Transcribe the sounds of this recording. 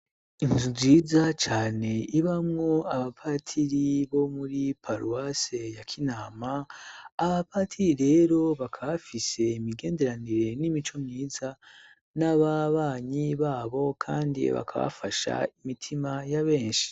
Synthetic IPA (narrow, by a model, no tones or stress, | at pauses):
inzuziːzat͡ʃaːne̞iβamŋo̞aβapʰatʰiɾiβo̞muɾipʰaɾuwase̞jakʰinaːmaː | βapatʰiɾiɾe̞ːɾo̞βakʰaβafise̞imiɡe̞ːnde̞ɾaniɾe̞nimit͡ʃo̞mɲiːza | naβaβaːɲiβaːβo̞kʰaːndḭβa̰kʰa̰βa̰faʃa̰imitʰimajaβe̞ːnʃi̥